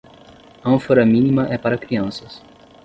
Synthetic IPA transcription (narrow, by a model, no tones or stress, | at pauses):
ɐ̃foɾɐmĩnimɐʔɛpaɾɐkɾiɐ̃sɐs